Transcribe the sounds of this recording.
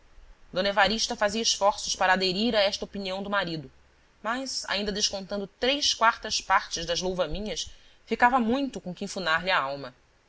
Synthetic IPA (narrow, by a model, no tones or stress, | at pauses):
d̪õnevaɾiʃt̪ɐfaziɐɪʃfɔɾsʊʃpaɾɐːd̪eɾiɾaɛʃt̪ɐopiniɐ̃w̃d̪ʊmaɾid̪ʊ | mɐjsa̰ĩnd̪ɐd̪eʃkõnt̪ɐ̃nd̪ʊt̪ɾejʃkwaɾt̪ɐʃpaɾt͡ʃɪzd̪ɐzlowvɐmĩɲɐsfikavɐmũj̃t̪ʊkõkɪĩfunaɾlɪɐawmɐ